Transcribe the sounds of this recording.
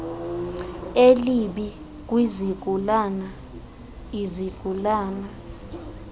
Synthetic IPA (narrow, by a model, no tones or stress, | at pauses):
eliɓi | k̬ʼwizik̬ulana | izik̬ulaːna